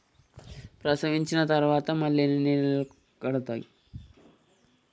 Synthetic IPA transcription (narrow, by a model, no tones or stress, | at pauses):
pɾɐsɐʋiɲt͡ʃinɐt̪ɐɾʋaːt̪ɐmɐlːenenil | kɐɽɐt̪ːa̰ːjḭ